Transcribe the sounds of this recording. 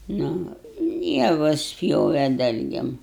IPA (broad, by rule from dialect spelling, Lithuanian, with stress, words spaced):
ˈnʊ ˈjæːʋʊs ˈpʲjoːʋʲɛ ˈdɐlʲɡʲeːm